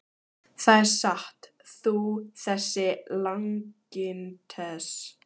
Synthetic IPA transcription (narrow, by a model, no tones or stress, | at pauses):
θaðɛɾsaht̪ | θuθɛsːɪlaŋcɪnt̪ʰɛs